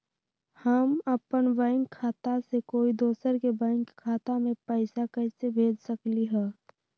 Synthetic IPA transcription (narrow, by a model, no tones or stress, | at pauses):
həməpənbɛ̃ːŋkʰːaːt̪asekoːid̪oːsəɾkebɛ̃ːŋkʰːaːt̪amẽpəɪsakɛɪsebʱeːd͡ʒsəkliɦɛː